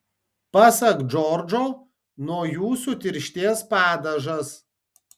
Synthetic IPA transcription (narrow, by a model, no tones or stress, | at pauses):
pɑsɐkd͡ʒɔɾd͡ʒoː | nuɔjuːsut̪ʲɪɾʲʃʲt̪ʲeɛspɑːd̪ɐʒɐs